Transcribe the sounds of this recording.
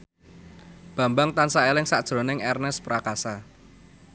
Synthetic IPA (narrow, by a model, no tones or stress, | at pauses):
b̥ä̤mbaŋt̪ansaelɪŋsad̥ʒ̥ɾo̤nɪŋɛrnɛspɾakasa